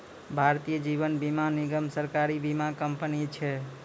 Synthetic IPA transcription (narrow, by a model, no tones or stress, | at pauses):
bʱaɾt̪ijəd͡ʒiβənbimaniɡəmsəɾkaɾibimakəmpənit͡ʃʰɛ